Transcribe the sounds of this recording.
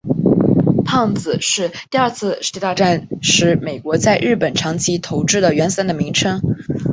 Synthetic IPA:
pʰɑ˥˧ŋd͡zɹ̩˨˩ʂɻ̩˥˧t̪i˥˧ɐ˞˥˧t͡sʰɹ̩˥˧i˧˥a˥˧ʈ͡ʂa˥˧nʂɻ̩˧˥me˨˩ɪkwɔ˧˥t͡sa˥˧ɪɻɻ̩˥˩pə˨˩nʈ͡ʂʰɑ˧˥ŋt͡ɕʰi˧˥t̪ʰo˧˥ʊʈ͡ʂɻ̩˥˩d̪ə˩ɥɛ˧˥nsa˥˩nd̪ə˩mi˧˥ŋʈ͡ʂʰɤ˥ŋ

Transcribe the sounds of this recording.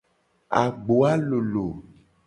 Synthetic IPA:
a̰˨ɡ͡bo˨a˦lo˨lo˨

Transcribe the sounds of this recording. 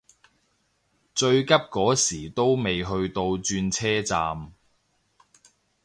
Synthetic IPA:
t͡ʃɵ˧ɥkɐ˥p̚kɔː˨˥siː˨˩t̪o˥wme˨jɦɵ˧ɥt̪o˧wt͡ʃyː˧nt͡sʰɛː˥t͡saː˧m

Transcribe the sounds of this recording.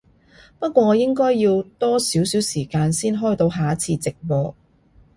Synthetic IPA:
pɐ˥t̚kʷɔː˧ŋɔː˨˧jɪ˥ŋkɔː˥jːiː˧wt̪ɔː˥siː˨˥wsiː˨˥wsiː˨˩kaː˧nsiː˥nɦɔː˥˩jt̪o˧wɦaː˨˥t͡sʰiː˧t͡sɪ˨k̚wɔː˧

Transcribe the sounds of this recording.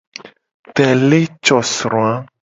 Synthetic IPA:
t̪ɛ˨le˦t͡ʃɔ˨sɾw̃ã˦

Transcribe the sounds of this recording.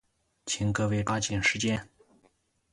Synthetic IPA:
t͡ɕʰi˧˥ŋkɤ˥˧we˥˩ɪpa˥t͡ɕɛ˨˩nʂɻ̩˧˥t͡ɕjɛ˥n

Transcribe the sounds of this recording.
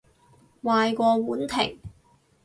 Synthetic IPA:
waː˧jkʷɔː˧wuː˨˥nt̪ʰɪ̰˨˩ŋ

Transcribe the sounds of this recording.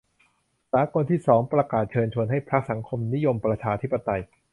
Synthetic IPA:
saː˩˦ko˧nt̪ʰiː˥˩sɔː˩˦ŋpɾa˧kaː˨˩t̪̚t͡ɕʰɤː˧nt͡ɕʰu˧ənɦa˥˩jpʰɾa˦˥k̚sa˩˦ŋkʰo˧mni˦˥jo˧mpɾa˧t͡ɕʰaː˧t̪ʰi˦˥pːa˧t̪a˧j

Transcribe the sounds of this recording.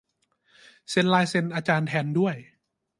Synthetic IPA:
se˧nlaː˧˥jse˧nʔaː˧t͡ɕaː˧nt̪ʰɛː˧ndu˥˩əj

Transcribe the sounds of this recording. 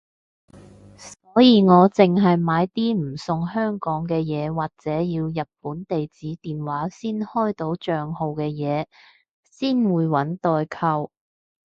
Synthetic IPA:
sɔː˨˥jiː˨˧ŋɔː˨˧t͡sɪ˨ŋɦɐ˨jmaː˨˧jt̪iː˥m̩˨˩sʊ˨˧ŋhœː˥ŋkɔː˨˥ŋkɛː˧jɛː˨˧waː˨k̚t͡sɛː˨˥jiː˧wjɐ˨t̚puː˨˥nt̪e˨jt͡siː˨˥t̪iː˨nwaː˨˥siː˥nhɔː˥jt̪o˨˥wt͡ʃœː˨ŋho˨wkɛː˧jɛː˨˧ | siː˥nwuː˨˧jwɐ˨˥nt̪ɔː˨˧jkʰɐ˧w

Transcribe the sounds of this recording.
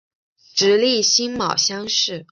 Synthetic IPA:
ʈ͡ʂɻ̩˧˥li˥˩ɕi˥nmɑ˨˩ʊɕjɑ˥ŋʂɻ̩˥˩

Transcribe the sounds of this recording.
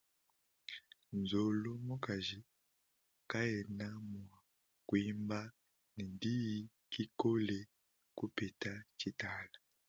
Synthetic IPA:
nzo˨lo˦mo˦ka˨ʒi˨ | ka˦jɛ˨na˦mwa˨ | kwi˦mba˦ | nɛ˨ndi˦ji˦ | ki˦ko˦le˨ | ku˦pe˨ta˦t͡ʃi˦ta˦la˨

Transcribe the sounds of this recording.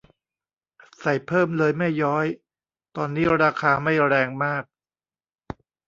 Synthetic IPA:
sa˨˩jpʰɤː˥˩mlɤː˧jma˥˩jːɔː˦˥j | t̪ɔː˧nːiː˦˥ɾaː˧kʰaː˧ma˥˩jɾɛː˧ŋmaː˥˩k̚

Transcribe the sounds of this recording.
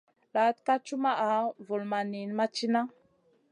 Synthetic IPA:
la˨˦t̚ka˦t͡ʃu˦ma˦ʔa˨˦vu˨lma˨ni˨n˦ma˦t͡ʃi˦na˦

